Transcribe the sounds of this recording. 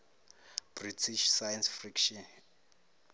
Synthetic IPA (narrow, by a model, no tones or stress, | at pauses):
b̥ritʰiʃsajansfrikʃɔn